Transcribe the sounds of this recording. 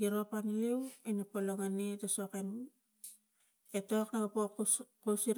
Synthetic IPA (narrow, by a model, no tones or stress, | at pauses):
iɾopanilewinapoloŋanetosoken | etoknaapokkusiɾ